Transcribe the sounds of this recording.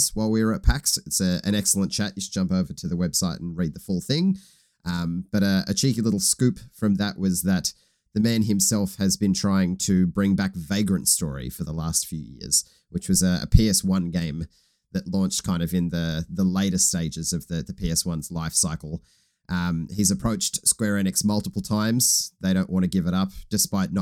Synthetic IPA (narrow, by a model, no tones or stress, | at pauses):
swaɪlˠwiə˞ət̚pʰæksɪtsɨɨ̃nɛksl̩ˠə̃nt͡ʃʰæʔjɨsd͡ʒʌ̃mpoʊvə˞ɾɨðəwɛb̥saɪɾn̩ɹid̪̚ðəfʊlˠθɪ̃ŋ | ʔʌ̃mb̥ʌɾɨɨ̰t͡ʃʰikilɪɾl̩ˠskʉpfɹʌ̃mðəʔwʔʌzðɨt̪̚ | ðɨmæ̃nɨ̃msɛlˠfhɨzbɨ̃ntʰɹ̥aɪɪ̃ŋtʰɨbɹɪ̃ŋbækveɪɡɹɨ̃ntstɔɹḭfə˞ðəlæstfjʉjɪ̰ɹz̥ | wɨt͡ʃwʌzɨə̰pʰiɛswʌ̃nɡẽɪ̃m | ðɨtˡlɔ̃nt͡ʃt̚kʰãɪ̃ndʌvɨ̃nðɨðəleɪɾɨsteɪd͡ʒɨzʌvðɨðɨpʰiɛswʌ̃nzlaɪfsaɪkl̩ˠ | ʔʌ̃mizɨpʰɹ̥oʊt͡ʃtskw̥ɛɹɛnɨksmʌlˠtəpl̩ˠtʰãɪ̃mz̥ðeɪɾõʊ̃nʔwɑ̃ñɨɡɪvəɾʌp̚d̥ɨspaɪtⁿn